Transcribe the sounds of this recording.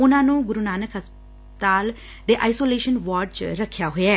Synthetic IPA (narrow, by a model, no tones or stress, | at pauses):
ʊnãːnũːɡʊɾunaːnəkɦəsp | t̪aːl | d̪eːʔaːisoːleːʃənʋaːɖt͡ʃɾəkʰːjaːɦoaː